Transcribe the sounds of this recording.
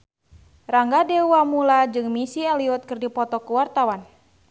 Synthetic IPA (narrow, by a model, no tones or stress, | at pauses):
raŋɡadewamulad͡ʒɨŋmisiɛliɔt̪̚kɨrdipɔt̪ɔkuwart̪awan